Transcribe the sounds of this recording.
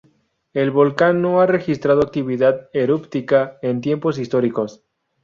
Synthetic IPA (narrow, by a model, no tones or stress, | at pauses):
e̞lβo̞lkanːo̞are̞xist̪ɾað̞o̞ak̚t̪iβiðaðeɾupt̪ikaent̪je̞mpo̞s̬ist̪o̞ɾiko̞s